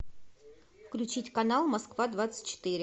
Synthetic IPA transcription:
fklʲʉt͡ɕitʲkɐnalˠmɐskvad̪vat̪sɨ̥tʲt͡ɕːɪ̥t̪iɾʲɪ

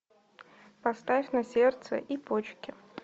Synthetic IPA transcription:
pɐst̪afʲnɐsʲert̪sə̰ʔipot͡ɕkʲɪ

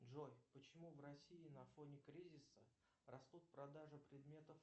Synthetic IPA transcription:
dʐojpət͡ɕɪmuvrɐsʲiɪnɐfo̞nʲɪkɾʲizʲɪsə | rɐst̪ut̪̚pɾɐd̪aʐɨpɾʲɪd̪mʲe̞t̪əf

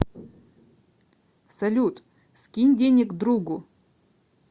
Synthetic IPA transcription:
sɐlʲut̪ | skʲinʲdʲenʲɪkd̪ɾuɡʊ

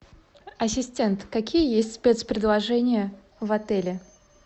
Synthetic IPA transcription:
ɐsʲɪsʲtʲe̞nt̪kɐkʲijəjesʲtʲspʲe̞t̪spɾʲɪd̪lˠɐʐɛnʲɪjə | vɐt̪ɛlʲɪ

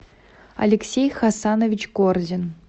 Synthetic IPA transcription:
ɐ̰lʲɪksʲejxasanovʲit͡ɕkorzʲɪn

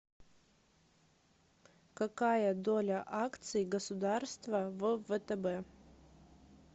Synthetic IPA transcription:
kɐkajəd̪olʲəʔakt̪sɨjɡəsʊd̪arst̪vəvəvət̪ɛbɛ

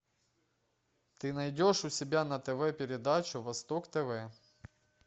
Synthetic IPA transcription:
t̪ɪnɐjdʲoʂʊsʲɪbʲanɐt̪ɛʋɛpʲɪɾʲɪd̪ɑt͡ʃʊʋɐst̪ɔkt̪ɛʋɛ

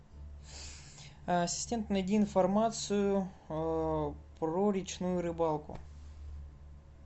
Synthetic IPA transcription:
ɐsʲɪ̥sʲtʲe̞nt̪nɐjdʲiːnfɐrmat̪sɨjʊ | pɾoɾʲɪt͡ɕnujʊɾɨbalˠkʊ̰

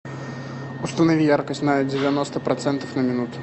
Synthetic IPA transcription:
ust̪ɐnavʲijarkəsʲt̪ʲnɐd͡zʲɪvʲanɔst̪əpɾat̪sɛnt̪ɐfnɐmʲɪnut̪ʊ̥

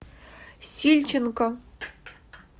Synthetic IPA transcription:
sʲilʲt͡ɕɪnko

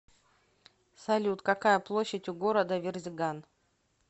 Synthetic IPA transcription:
sɐlʲut̪kɐkajəplˠoɕːɪtʲʊɡo̞ɾəd̪əvʲɪrzʲɪɡan

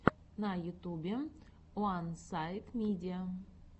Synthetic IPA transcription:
najut̪ubʲe | wansajt̪mʲed̪ʲia

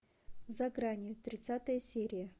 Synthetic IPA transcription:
zɐɡɾanʲɪʊt̪ɾʲɪt̪sat̪əjəsʲeɾʲɪjə

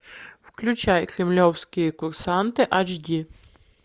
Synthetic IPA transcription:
fklʲʊt͡ɕajkɾʲɪmlʲɔwskʲɪjəkʊrsant̪ɨʔat͡ʃdʲi

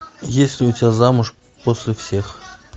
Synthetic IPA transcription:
jesʲlʲɪʊtʲɪbʲazamʊʂ | posʲlʲɪfsʲe̞x

